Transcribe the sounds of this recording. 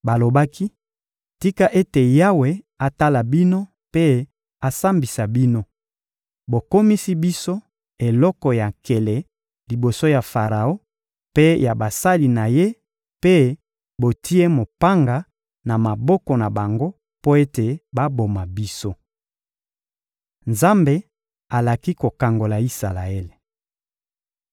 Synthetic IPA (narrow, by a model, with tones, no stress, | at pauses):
ba˨lo˨ba˦ki˦ | ti˦ka˦ʔe˦te˨ja˦we˨ | a˨ta˦la˨bi˦no˦ | pe˦ | a˨sa˦mbi˨sa˨bi˦no˦ | bo˨ko˦mi˦si˦bi˦so˦ | e˨lɔ˦kɔ˨ja˨ke˨le˨ | li˨bo˨so˦ja˨fa˨ʁa˨o˦ | pe˦ja˨ba˨sa˦li˨na˨je˦ | pe˦ | bo˨tʰi˦e˦mo˨pa˦ŋɡa˨ | na˨ma˨bɔ˦kɔ˨na˨ba˨ŋɡo˦ | po˦e˦te˨ba˦bo˨ma˨bi˦so˦ | nza˦mbe˦ | a˨la˨ki˦ko˨ka˨ŋɡo˨la˨i˦sa˨la˨e˦le˨